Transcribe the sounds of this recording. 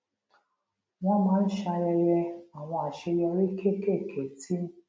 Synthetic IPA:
wʷɔ̃˦mãː˨˦n̩˦ʃa˧jɛ˧jɛ˧a˨w̃ɔ̃˧a˨ʃe˧jɛ˧ɾe˦kʰe˦˨ke˦˨kʰe˨tʰi˦m̩˦

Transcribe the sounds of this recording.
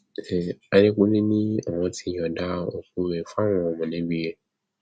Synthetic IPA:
a˧ne˦k͡pũ˦nĩ˦nĩ˦ɔ˨wɔ̃˧ti˧jɔ˨da˦o˨ku˧˦e˨fa˦w̃ɔ̃˨˧˨mɔ̃˨nɛ̃˨˦bi˦je˦

